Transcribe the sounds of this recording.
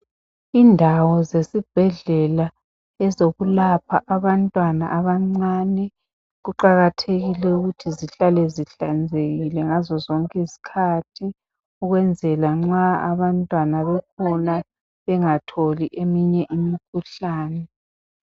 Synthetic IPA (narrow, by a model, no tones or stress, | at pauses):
indʱawɔzesib̥ʱɛɮɛla | ɛzoɣulapʰaʔaβantʼwana̰ʔaβaŋ͡ǀaːnɛ | ɣuǃaɣatʰeɣilɛuɣutʰiziɬalɛziɬand͡zʱeɣilɛŋazɔzɔŋkʼɛisi̥kʰatʰi | uɣwɛnd͡zʱɛlaŋ͡ǁaa̰βantʼwanaβɛkʰɔna | βɛŋatʰoliʔemiɲɛʔimikʰuɬaːnɛ